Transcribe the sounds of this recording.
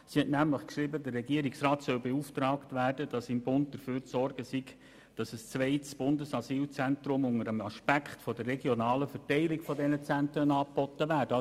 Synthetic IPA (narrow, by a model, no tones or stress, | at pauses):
sihɛtnæmləχkʃɾibədərːɛɡiəɾiksrɑːtsœlbeuːftɾɑːktvæːrdəd̥ɑsɪmbʊnt̚d̥əɾføːɾt͡sɔrɡ̥əsiɡ | d̥ɑsəst͡sʋɛɪtsb̥ʊndəsɑsiːlt͡sæntɾʊmʊŋəɾəmɑʃpækχtfɔdərːɛɡjɔnɑːləfəɾtɛɪlɪɡfɔdɛnət͡sænt̪ɾənɑːpɔtəʋæːɾdə